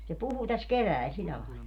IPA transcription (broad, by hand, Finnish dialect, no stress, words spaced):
se puhu tæs keʋæˑil silːæ lɑˑilːɑ